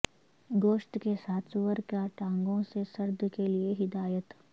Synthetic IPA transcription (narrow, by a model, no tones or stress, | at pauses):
ɡoːʃʈ̪kesaːswəɾkaʈãːŋɡõsesɐɾd̪ʱkelieɦɪd̪aːjət̪